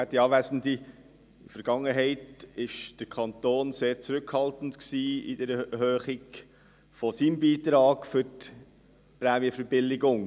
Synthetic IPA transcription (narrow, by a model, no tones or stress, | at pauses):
ætd̥iɑːvæsn̩di | fəɾɡ̥ɑŋːəɦɛɪtɪʃd̥əɾkʰɑntoːnseːɾt͡sɾʏkhɑltn̩tksiːɪ̰d̥əɾɛɛhøːχɪɡ | fɔsimbiːt̪ɾɑːɡ̥fʏɾt | pɾɛːmiəfəɾb̥ɪlːɪɡʊŋ